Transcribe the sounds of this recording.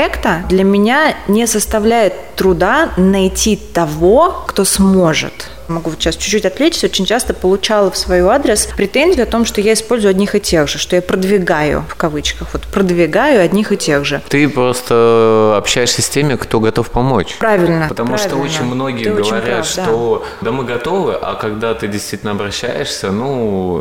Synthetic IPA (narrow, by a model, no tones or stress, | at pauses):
ekt̪əd̪lʲɐmʲɪnʲanʲɪsəst̪ɐvlʲæjɪt̪ːɾʊd̪anɐjtʲit̪ɐvo̞kt̪o̞smo̞ʐɨ̰t̪ | mɐɡuvot̪ɕast͡ɕʉ̥t͡ɕːutʲɐt̪lʲet͡ɕʲɪ̥tʲo̞t͡ɕɪnʲt͡ɕast̪əpəlˠʊt͡ɕalˠəfsvɐjuad̪ɾʲɪspɾʲɪt̪enʲzʲɪjʊɐt̪o̞mʂt̪ojaɪspo̞lʲzʊjʊɐdʲnʲixɨtʲe̞ɣʐɨʂt̪ojapɾəd̪vʲɪɡajʊ̰fkɐvɨt͡ɕkəxvot̪pɾəd̪vʲɪɡajʊɐdʲnʲixɨtʲe̞ɣʐɨt̪ɨpɾo̞st̪əɐpɕːæjɪʂsʲəsʲtʲemʲɪkt̪o̞ɡɐt̪o̞fpɐmo̞̰t͡ɕpɾavʲɪlʲnəpət̪ɐmuʂavʲt̪oont͡ɕɪɪnʲmno̞ɡʲɪjɪɡəvɐɾʲat̪ʂt̪o | d̪amɨɡɐt̪o̞vɨʔa̰kɐɡd̪at̪ɨdʲɪst̪vʲitʲɪlnɐbɾɐɕːæ̰jɪʂsʲənu